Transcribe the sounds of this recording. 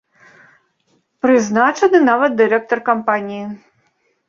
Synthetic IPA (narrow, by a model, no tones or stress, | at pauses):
pɾɨznat͡ʂɐnɨnavɐt̪̚d̪ɨɾɛk̚t̪ɔrkampanʲiji